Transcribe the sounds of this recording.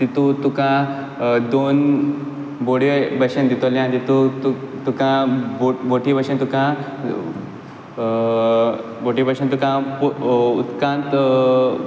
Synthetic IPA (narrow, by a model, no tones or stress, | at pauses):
t̪it̪ut̪ukã | d̪on | boɽibəɕənd̪it̪oljãnt̪it̪ut̪u | t̪ukãboboʈibəɕə̃nt̪ukã | boʈibəɕənt̪ukãpuut̪kãnt̪